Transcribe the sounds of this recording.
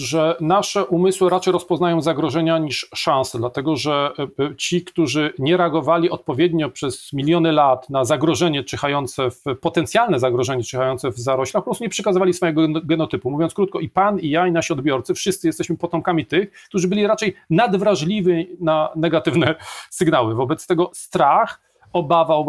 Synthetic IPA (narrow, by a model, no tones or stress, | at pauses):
ʐɛnaʂɛʔumɘswɘɾat͡ʂɛjɾɔspɔznajɔ̃w̃zaɡɾɔʐɛɲaɲiʂʂãñsɛd̪lat̪ɛɡɔʐɛt͡ɕikt̪uʐɘɲɛɾɛaɡɔvalʲiɔt̪̚pɔvʲjɛd̪ɲɔpʂɛz̥mʲilʲjɔnɘlat̪nazaɡɾɔʐɛɲɛt͡ʂɛxajɔnt̪sɛfpɔt̪ɛnt̪sʲjalnɛzaɡɾɔʐɛɲɛt͡ʂɛxajɔnt̪sɛvzaɾɔɕlʲaxpɔpɾɔst̪uɲʲɛpʂɛkazɨvalʲisfɔjɛɡɔɡɛnɔt̪ɘpumuvʲjɔntskɾut̪̚kɔʔipanijainaɕiɔd̪bʲjɔɾt̪sɘfʂɨst̪sɘjɛst̪ɛɕmɘpɔt̪ɔmkamʲit̪ɘxkt̪uʐɘbɘlʲiɾat͡ʂɛjnad̪vɾaʐlʲivʲinanɛɡat̪ɘvnɛsɘɡnawɘvɔbɛt̪st̪ɛɡɔst̪ɾax | ɔbavaw